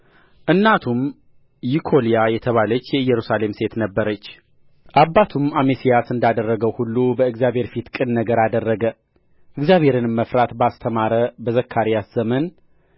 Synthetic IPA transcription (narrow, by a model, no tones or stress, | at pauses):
ʔɨnːat̪ʰum | jikʰo̞lijajɛt̪ʰəβalət͡ʃːjɛɨjːɛɾusale̞mse̞t̪nəbːəɾət͡ʃː | ʔabːat̪ʰumamesijasɨnd̪ad̪ərːəɡəwhulːubəɨɡzijaβhe̞ɾfit̪kʼɨnːəɡəɾad̪ərːəɡə | ʔɨɡzjaβhe̞ɾɨnmːəfɾat̪bast̪ʰəmaɾəbəzəkʰːaɾijasz̥əmən